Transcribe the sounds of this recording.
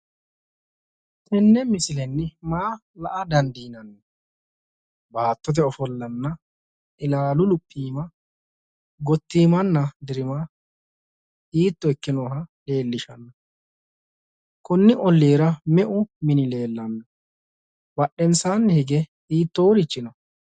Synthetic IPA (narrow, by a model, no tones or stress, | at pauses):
t̪ʰɛnːɛmɪsɪlɛnːɪmaːlɐʔɐd̪ɐnd̪iːnɐnːɛ | baːt̪ːɔt̪̬ɛɔfɔlːɐnːɐ | ɪlaːlʊlʊpʼːiːmɐ | ɡɔt̪ːiːmɐnːɐd̪ɪɾɪma | hiːt̪ːɔɛkːɪnoːɦɐle̞ːlːɪʃɐnːɐ | kʊnːɪʔɔlːeːɾɐmɛʔʊmɪnɪle̞ːlːɐnːɐ | bɐɗːɛnsanːɪhɪɡɛhiːt̪ːɔwʊɾɪt͡ʃːɪnɔ